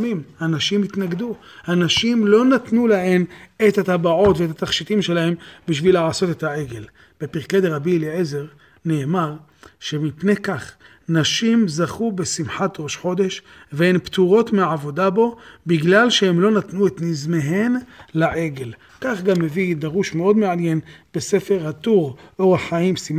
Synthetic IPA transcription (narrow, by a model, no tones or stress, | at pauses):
mimhanaʃimit̪naɡd̪u | hanaʃimlo̞nat̪nulaɦe̞met̪hat̪abaʕo̞t̪veet̪at̪aχʃit̪imʃe̞lahe̞mbiʃ̬vileʕaso̞t̪e̞t̪hae̞ɡe̞l | b̥e̞piʁked̪eʁabileʕeze̞ʁ | ne̞ːmaʁ | ʃe̞mipne̞kaχ | naʃimzaχube̞simħat̪ʁo̞ʃħo̞d̪e̞ʃ | veenpt̪uʁo̞t̪meʕavo̞d̪abo̞biɡlalʃehemlo̞nat̪nuet̪nizmeɦenlaʕe̞ɡe̞l | kaχɡamːevid̪aʁuʃmeo̞d̪meanje̞nb̥ese̞fe̞ʁhat̪uʁʔoaħaimsim